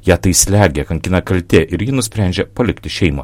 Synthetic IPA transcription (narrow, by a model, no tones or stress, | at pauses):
jæːt̪ɐɪsʲlʲæːɡʲɛkɐŋʲkʲɪnɐkɐlʲt̪ʲeːʔɪɾjɪnʊsʲpʲɾʲæˑnʲd͡ʒʲɛpɐlʲɪkt̪ʲɪʃʲɛɪmɐ̰ː